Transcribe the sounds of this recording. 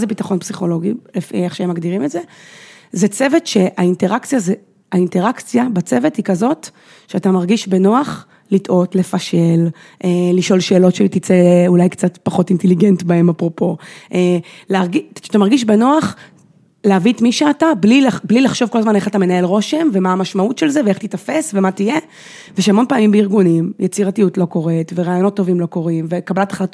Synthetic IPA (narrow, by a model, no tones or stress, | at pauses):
zebitaχonpsiχo̞lo̞ɡilefḭeχʃeemaɡdiʁimetzezet͡se̞vetʃe̞ʔainteʁakt͡sjaze | ainte̞ʁakt͡sjabat͡sevethikazo̞t | ʃeatamaʁɡiʃbe̞noaχ | litʔo̞tle̞faʃe̞l | ʔeliʃo̞lʃe̞ːlo̞tʃelt̪it͡seulajkt͡satpaχo̞tinte̞liɡe̞ntbae̞mapʁo̞po̞ʔeleaʁɡiatamaʁɡiʃ̬benoaχ | leavitmiʃeatablilablilaχʃo̞vko̞lazmane̞χatamenae̞lʁo̞ʃe̞mve̞maːmaʃmautʃelzeveeχt̪itafe̞svematije̞ | veʃeamo̞npaːmimbeiʁɡunimjʔet͡siʁatiutlo̞ko̞ʁe̞tveʁaːjo̞no̞tːo̞vimlo̞ko̞ʁimvekabalatḁχlat